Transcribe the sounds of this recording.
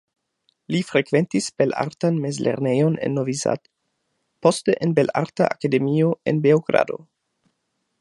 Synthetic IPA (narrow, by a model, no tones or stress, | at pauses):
lifɾekve̞ntisb̥e̞la̰ɾtanmezlʔḛɾnejo̞nḛnːoviza̰d | po̞steʔenbela̰ɾta̰ʔakade̞mioe̞nbeoɡɾa̰do̞̰